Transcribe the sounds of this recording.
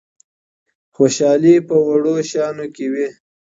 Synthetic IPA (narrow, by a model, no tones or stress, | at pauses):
xoʃɑːlipəwaɽoʃɑnokewi